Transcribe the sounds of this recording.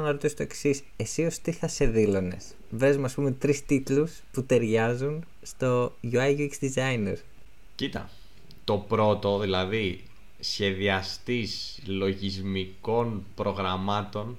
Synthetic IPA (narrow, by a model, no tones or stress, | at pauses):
nɐɾot̪isot̪o̞e̞ksis | e̞sio̞st̪iθɐse̞ðilone̞̰s | vɾe̞zumeɐspume̞t̪ɾist̪it̪lusput̪e̞ɾʝɐzun | st̪o̞ʝuɐjʝuiksd̪izɐjnḛɾ | cit̪ɐ̰ | t̪o̞pɾo̞t̪o̞ðilɐði | sçe̞ðiɐst̪islo̞ʝizmiko̞npɾo̞ɣɾɐmɐt̪o̞n